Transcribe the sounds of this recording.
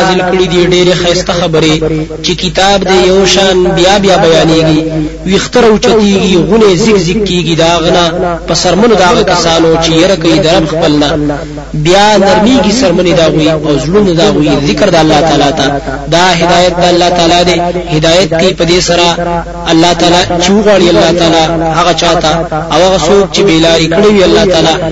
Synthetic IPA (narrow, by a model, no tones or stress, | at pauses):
zɪlkəɽid̪iɖeɾexast̪axabəɾet͡ʃekɪt̪ɑbd̪ejawʃɑnbjɑbjɑbajɑneɡiwixt̪əɾaut͡ʃat̪eɡiɣunezɪkzɪkːeɡid̪əɦaɣanapəsaɾmənod̪əaɣakasɑnot͡ʃejaɾakajid̪ɐɾabxpəlna | bjɑnaɾmeɡisaɾməned̪aɣwiawzlund̪aɣwizɪkɾd̪aalːɑt̪ɑlɑt̪ad̪ɑɦɪd̪ɑjat̪̚d̪aalːɑht̪ɑlɑd̪ehɪd̪ɑjat̪̚kaipəd̪esaɾa | alːɑt̪ɑːlɑt͡ʃewəɣwɑɽialːɑt̪ɑlɑhaɣat͡ʃɑt̪aawhaɣasok̚t͡ʃebelɑɾikəɽewialːɑt̪ɑlɑ